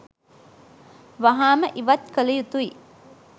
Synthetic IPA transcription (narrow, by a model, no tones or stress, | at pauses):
ʋaɦaːməʔiʋat̪̚kəlɐjut̪ui